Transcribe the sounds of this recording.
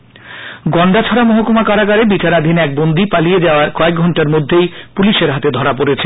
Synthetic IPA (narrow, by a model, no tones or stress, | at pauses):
ɡɔɳɖat͡ɕʰɔɾamɔɦokomakaɾaɡaɾebit͡ɕaɾad̪ʱinɛk̚bond̪ipalijed͡ʑaoaɾkɔek̚ɡʱɔɳʈaɾmod̪ʱːejpuliʃeɾɦat̪ed̪ʱɔɾap̬oɾet͡ɕʰe